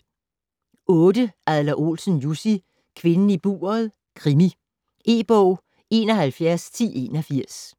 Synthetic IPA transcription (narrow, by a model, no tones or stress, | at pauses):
ɔ̽ːd̥əæðˠlɐʔo̝̰ːlsən̩jusi | kʰʋe̝nn̩ib̥ṵːɐð̩ˠ | kʰʁimi | ʔe̝ːb̥ɔʊ̰ | e̝ːnɒ̽ɦælfjæɐst͡sʰḭːʔe̝̰ːnɒfiɐ̰s